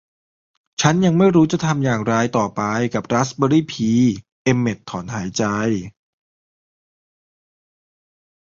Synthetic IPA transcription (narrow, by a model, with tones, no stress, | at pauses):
t͡ɕʰa˦˥nja˧ŋma˥˩jɾuː˦˥t͡ɕa˨˩t̪ʰa˧mjaː˨˩ŋɾaː˧jt̪ɔː˨˩pa˧jka˨˩p̚ɾa˦˥sbəː˧ɾiː˥˩pʰiː˧ | ʔe˧mːe˨˩t̪ʰːɔː˩˦nɦaː˩˦jt͡ɕa˧j